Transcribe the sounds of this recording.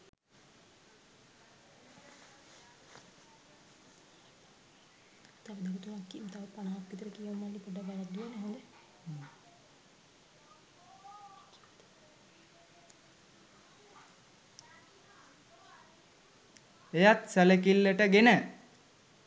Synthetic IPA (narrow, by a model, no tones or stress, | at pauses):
t̪aʋəd̪aɾut̪umakːimt̪aʋəpanaːapːit̪əɾəkijeʋumallipoɖabalat̪d̪uenəɦõnd̪e | ejat̪sælekilːəʈəɡenə